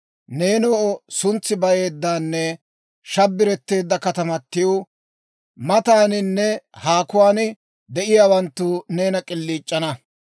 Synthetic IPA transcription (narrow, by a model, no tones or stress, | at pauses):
ne̞ːnoːɔsʊnt͡sːɪbɐje̞ːd̪ːaːnːɛ | ʃɐbːɪɾɛt̪ːe̞ːd̪ːɐkɐt̪ɐmɐt̪ːɪjoː | mɐt̪aːnɪnːɛhaːkʊwaːnɪ | d̪ɛʔɪjaːwɐnt̪ːʊne̞ːnɐkʼɪlːiːt͡ʃʼːɐnɐ